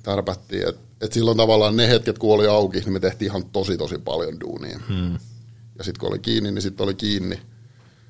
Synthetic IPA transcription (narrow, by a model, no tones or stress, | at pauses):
t̪ɑrpæt̪ːḭːḛt̪ | et̪silːont̪ɑʋɑlːˑɑːnnehet̪ket̪kuoliɑukihnimet̪eht̪iːihɑnt̪osit̪osipɑ̰ljondṵːnḭː | jɑsit̪kuo̰lḭkiːnːinnisit̪ːolikiːnːi